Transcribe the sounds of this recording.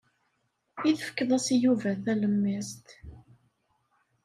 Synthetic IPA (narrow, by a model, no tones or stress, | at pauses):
iθəfə̥kːəðˤæsijuvæθæləmːæst̪